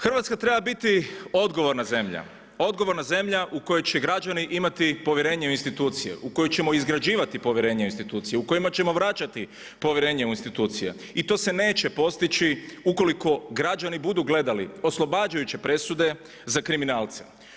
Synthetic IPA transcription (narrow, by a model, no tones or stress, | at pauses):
xr̩ʋat̪skat̪ɾe̞babit̪io̞d̪ɡo̞ʋo̞ɾnaze̞mʎa̰ | o̞d̪ɡo̞ʋo̞ɾnaze̞mʎaʔuko̞jot͡ʃe̞ɡɾad͡ʒaniʔimat̪ipo̞ʋje̞ɾe̞ːɲeuinst̪it̪uːt̪sijḛʔuko̞jot͡ɕe̞mo̞izɡɾad͡ʒiːʋat̪ipo̞ʋjeɾe̞ːɲeuinst̪it̪uːt̪sijeuko̞jimat͡ɕe̞mo̞ʋɾat͡ʃat̪i | po̞ʋjeɾeːɲeuinst̪it̪uːt̪sijḛ | it̪o̞ːse̞ne̞ːt͡ʃe̞po̞st̪it͡ɕiuko̞liko̞ɡɾad͡ʒanibud̪uɡle̞d̪alio̞slˠo̞baːd͡ʒajut͡ʃe̞pɾe̞sud̪e̞ | zakɾiminaːlˠt̪se̥̰